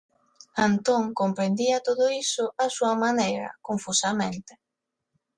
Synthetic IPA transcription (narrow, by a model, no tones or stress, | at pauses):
ant̪oŋkompɾend̪iɐt̪oðʊisʊʔasuɐmanejɾɐ̰koɱfusamẽnt̪e